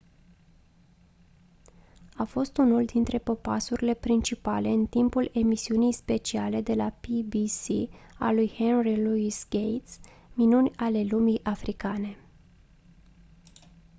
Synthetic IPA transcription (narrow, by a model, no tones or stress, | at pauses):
afo̞st̪unuld̪int̪ɾe̞po̞pa̰suɾile̞pɾint͡ʃipale̞ɨnt̪impule̞misiunijspe̞t͡ʃiale̞d̪e̞lapibisia̰lujhenriluisɡejt̪s | minunʲale̞lumijʔafɾʔikane̞